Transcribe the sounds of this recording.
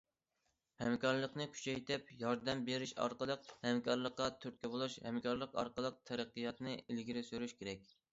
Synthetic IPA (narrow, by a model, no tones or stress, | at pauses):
hɛmkɑɾlˠəqnɨkʲʰy̥t͡ʃʰɛjt̪ɪpjɑɾd̪ɛmbeɾyʃɑ̰ɾqəlˠəq̚hɛmkʰɑɾlˠəqːɑt̪ʰyɾt̪̚kʲɛbolˠuʃhɛmkʰɑɾlˠəqɑ̰ɾqəlˠəq̚t̪ʰɛɾæqːɨjɑt̪nɨilɡʲiɾɪsyɾyʃkʲʰeɾɛk̚ʲ